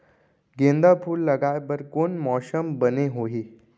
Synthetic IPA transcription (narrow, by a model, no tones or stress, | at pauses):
ɡend̪apʰuːlːəɡajbəɾkonmɔsəmbəneɦoɦiː